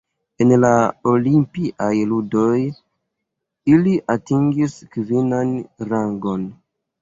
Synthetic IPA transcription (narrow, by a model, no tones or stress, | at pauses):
enlaolimpiʔajludo̞j | iliʔatiŋɡiskvinanɾaŋɡo̞n